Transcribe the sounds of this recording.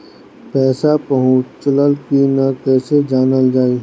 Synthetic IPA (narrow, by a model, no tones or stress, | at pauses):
pɛːsapɐɦʊ̃t͡ʃləlkinakɛːsed͡ʒaːnəld͡ʒaːi